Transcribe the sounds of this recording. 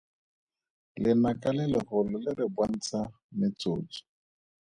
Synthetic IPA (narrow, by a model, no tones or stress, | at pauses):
lɪnakʼalɪlɪhʊlɔlɪlɪbwan̩t͡sʰa | mɪt͡so̰ːt͡sɔ̥